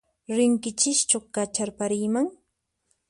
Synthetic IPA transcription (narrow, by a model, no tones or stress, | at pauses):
ɾɪŋkɪt͡ʃɪʃt͡ʃoχkat͡ʃaɾpaɾɪjmaŋ